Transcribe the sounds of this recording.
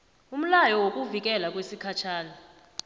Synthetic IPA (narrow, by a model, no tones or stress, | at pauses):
um̩lajɔwokʼuvik̬ʼɛlak̬ʼwesikʰat͡ʃʰaːnɔ